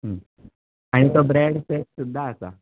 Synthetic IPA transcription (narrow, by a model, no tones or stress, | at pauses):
ɦə | aɽ̃it̪obɾeɽseʈ̚sud̪ʱːaːsa̰